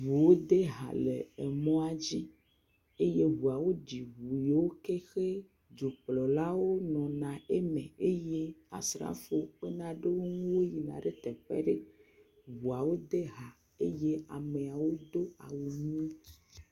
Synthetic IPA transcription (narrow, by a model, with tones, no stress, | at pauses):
vu˨wo˦d̪e˦ɦa̰˨lḛ˨e˨mɔ̃˦a˦d͡ʑi˦ | e˦je˦ɦu˨a˨wo˦ɖi˨ɦu˨je˨wo˦ke˦xe˦ | d͡ʒo˨plɔ˨la˦wo˦nɔ̃˨nã˨e˦mẽ˨e˦je˦a̰˨sɾa̰˦fo˦ɸe˦nã˨ɖe˦wo˦ŋũ˦wo˦ji˨nã˨ɖe˦t̪ɛ˨ɸɛ̰˦ɖe˦ | ɦwu˨a˨wo˦d̪e˦ɦa˨ | e˦je˦a˨me˨a˨wo˦d̪o˦a˨wu˨ɲĩ˦i̥˦